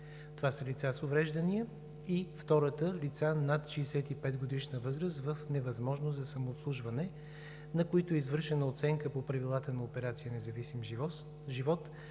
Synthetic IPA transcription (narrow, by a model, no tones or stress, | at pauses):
t̪ovasəlit̪sasovɾɛʒd̪ənijə | ift̪ɔɾət̪əlit̪sanat̪ʃiːsɛt̪ipɛd̪ɡod̪iʃnəvɤzɾəs̬t̪vəfnɛvɐzmɔʒnozzɐsɐmoːt̪slˠuʒvɐnɛ | nɐkoit̪oizvɤɾʃɛnəot̪sɛŋkəpopɾɐvilˠat̪ənɐopɛɾat̪sijənɛzɐvisim | ʒivɔt̪